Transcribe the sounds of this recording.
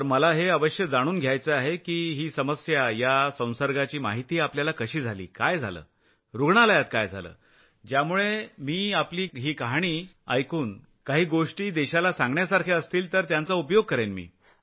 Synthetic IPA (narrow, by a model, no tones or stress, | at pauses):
t̪əɾməlaɦeəʋəɕjəd͡zaɽ̃uːnɡʱjajt͡səaɦekiːɦiːsəməsjajasə̃w̃səɾɡat͡ɕiːma̰ɦit̪iːapljalakəɕiːd͡zʱalḭːkajd͡zʱa̰lə̰ː | ɾuɡɳalajat̪kajd͡zʱa̰lə̰ː | d͡ʑjamuɭemiːapliːɦiːkaɦaɽ̃iː | a̰jkuːn | kaɦiːɡoʂʈiːd̪ɛɕalasãŋɡɳjasaɾkʰeəst̪iːlt̪əɾt̪jant͡saupjoɡ̚kəɾenmḭː